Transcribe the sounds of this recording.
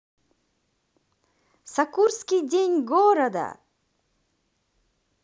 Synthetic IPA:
sɐkuɾskʲidʲeɲʲɡoɾɐd̪a̰

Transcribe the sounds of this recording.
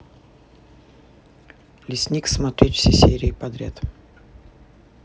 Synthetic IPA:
lʲɪsʲnʲiksmɐt̪ɾʲet̪ʲfʲsʲesʲeɾʲɪːpɐd̪ɾʲat̪

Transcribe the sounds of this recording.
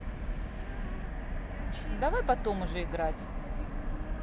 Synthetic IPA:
d̪ɐvajpɐt̪o̞mʊʐɛɪɡɾatʲ

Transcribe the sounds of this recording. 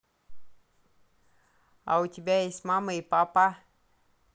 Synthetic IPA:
a̰wut̪ʲibʲajesʲmaməjpapa

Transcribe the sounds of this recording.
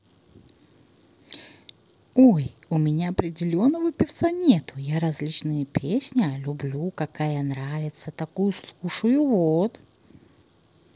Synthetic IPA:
ojʊmʲɪnʲaɐpɾʲɪdʲɪlʲo̞nːəvəpʲɪft̪sanʲe̞t̪ʊjaɾɐzʲlʲit͡ɕnɨjəpʲʰesʲnʲɪlʲʊblʲukɐkajənɾavʲɪt̪sət̪ɐkujʊslˠuʂəjʊvot̪

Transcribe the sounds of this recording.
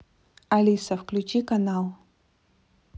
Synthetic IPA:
ɐlʲisɐfklʲut͡ɕikanalˠ

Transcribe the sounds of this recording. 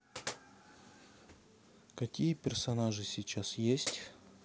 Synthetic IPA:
kɐkʲijəpʲɪrsɐnaʐɨsʲɪt͡ɕasjesʲtʲ

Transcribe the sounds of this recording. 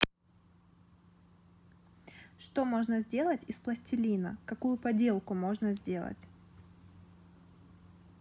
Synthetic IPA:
ʂt̪o̞mo̞ʐnəzʲdʲe̞lˠətʲɪsplˠəsʲtʲɪlʲinə̰kɐkujʊpɐdʲe̞lˠkʊmo̞ʐnəzʲdʲe̞lˠə̰tʲ

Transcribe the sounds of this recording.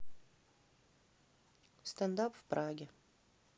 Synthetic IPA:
st̪and̪apvpɾaɡʲɪ

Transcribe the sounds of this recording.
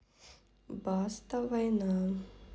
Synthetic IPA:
bast̪ɐvajna

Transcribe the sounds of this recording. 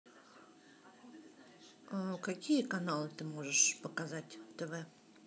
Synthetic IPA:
kakʲijəkanalˠɨt̪ɨmoʐəʂpəkazatʲt̪ɛvɛ

